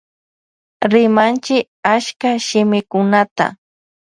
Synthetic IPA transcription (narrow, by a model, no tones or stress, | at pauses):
ɾɪmant͡ʃɪk | aʃkaʃɪmɪkʊnat̪a̰